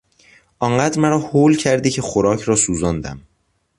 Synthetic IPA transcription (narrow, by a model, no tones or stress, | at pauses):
ʔɒːɴɢæd̪ɾmæɾɒːhoːlcʰæɾd̪icʰe̞xoɾɒːcʰɾɒːsuːzɒːnd̪æ̰m